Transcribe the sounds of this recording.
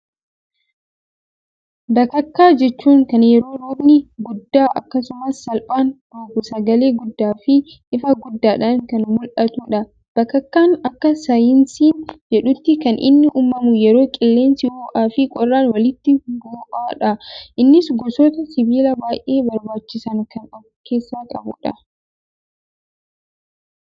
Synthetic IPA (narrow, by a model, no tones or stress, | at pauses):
bɐkːɐkːaːd͡ʒɛt͡ʃːuːŋkɐnjɛɾo̞ːɾuːbnɪɡʊd̪ːaːʔɐ̰kːɐsʊmɐsːɐlpʼaːnd̪̥oːbʊsɐɡɐle̞ːɡʊd̪ːaːfɪ | ʔɪfɐɡʊd̪ːaːᶑɐnkɐnmʊlʔɐt̪uːᶑɐ | b̥ɐkːɐkːaːnɐkːɐsɐjɪnsiːnd͡ʒɛᶑʊt̪ːɪkɐnʔɪ̰nːɪʔuːmːɐmʊjɛɾo̞ːkʼɪlːe̞ːnsɪwoːʔaːfɪkʼɔrːaːnwɐlɪt̪ːɪboːʔaːᶑɐʔɪnːɪsɡɔsoːt̪ɐsɪbiːlɐbaːjʔe̞ːbɐɾbaːt͡ʃːɪsɐŋkɐnʔɔ | kʰe̞ːsːaːkʼɐ̰bʊ̰ᶑɐ